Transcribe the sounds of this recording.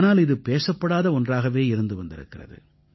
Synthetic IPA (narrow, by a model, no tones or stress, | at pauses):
naːlɪðɯpeːsɐpːɐɽaːðɐɔndraːɣɐʋeːɪɾɯnd̪ɯʋɐnd̪ɪ̰ɾɯ̰kːɪrɐ̰ðɯ̰